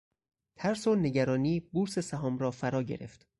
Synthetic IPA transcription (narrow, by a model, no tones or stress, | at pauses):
t̪ʰæɾsone̞ɟæɾɒːniːbuɾsesæɦɒːmɾɒːfæɾɒːɟeɾe̞̰ft̪